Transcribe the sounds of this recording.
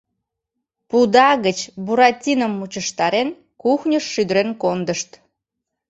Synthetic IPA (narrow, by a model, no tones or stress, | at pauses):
pud̪ɑɣət͡ɕbuɾɑtʲinəmːut͡ɕəʃt̪ɑɾen | kuxnʲəʃːyd̪əɾenkond̪əʃt̪